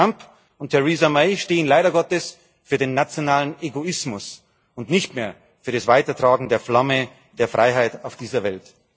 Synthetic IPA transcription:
amp | ʊntʰːɛʁizameɪʃteːənlaɪɾɐɡɔtəs | fyːɐdeːnːat͡sjonaːləneɡoɪsmʊs | ʊntnɪçtmeːɐ | fyːɐɾasv̥aɪtɐtʁ̥aːɡŋ̩deːɐflamə | d̥eːɐfʁ̥aɪɦaɪtaʊfd̥iːzɐvɛlt

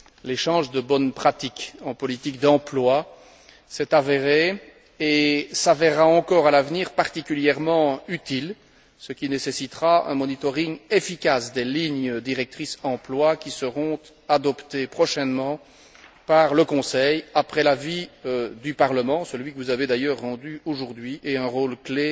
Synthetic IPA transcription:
leʃɑ̃ʒd̪əbɔnpχat̪ikɑ̃pɔlit̪ik̚d̪ɑ̃plwa | sɛt̪aveʁe | esavɛʁːaɑ̃kɔʁalavniːʁpaʁt̪ikʲyljɛʁmɑ̃yt̪il | səkʲinesesit̪ʁaɛ̰̃mɔnit̪ɔʁiŋefikʲasd̪eliɲd̪iʁɛk̚t̪χisɑ̃plwakʲisəʁɔ̃t̪ | ad̪ɔpt̪epχɔʃɛnmɑ̃ | paʁləkɔ̃sɛjapχɛlaviød̪ypaʁləmɑ̃səlɥikəvuzaved̪ajœːʁːɑ̃d̪yoʒuʁd̪ɥiʔeɛ̃ʁoːlkle

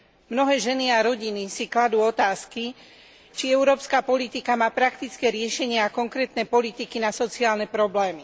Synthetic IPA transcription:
mnɔɦɛːʒɛniaɾɔɟinisiklad̪uːɔt̪aːski | t͡ʃiɛʊɾɔːpskapɔlit̪ikamaːpɾakt̪it͡skɛɾɪɛʃɛɲɪaakɔŋkɾɛːt̪nɛpɔlit̪ikinasɔt͡siaːlnɛpɾɔblɛːmi

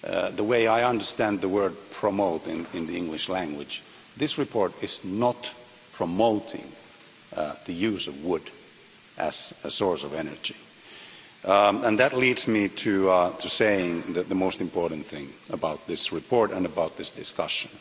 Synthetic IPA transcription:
ðəweɪaɪʌ̃ndə˞stæ̃nðəwɜ˞d̚pʰɹ̥əmoʊɾɪ̃nɪ̃nðiɪ̃ŋɡlɨʃlæ̃ŋɡwɪ̥d͡ʒ | ðɪsɹɨpʰɔɹɾɪznət | pʰɹ̥əmoʊɾɪ̰̃ŋ | ðɨjʉzʌvwʊd | ʔɨ̰z̥əsɔɹsʌvɛnə̰˞d͡ʒi | ə̃nðɨtˡlidzmiɾʰɨtʰɨseɪɪ̃ŋðɨðəmoʊstɨ̃mpʰɔɹʔn̩θɪ̃ŋəbaʊt̪̚ðɪsɹɨpʰɔɹɾɨ̃nɨbaʊt̪̚ðɪsd̥ɨskʌ̰ʃɨ̃n

